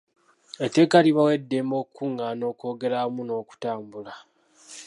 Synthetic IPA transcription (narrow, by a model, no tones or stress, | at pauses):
etekaliβawe̞dːemo̞ːkuŋɡano̞ːko̞ːɡe̞ɾamuno̞ːku̥taːmbula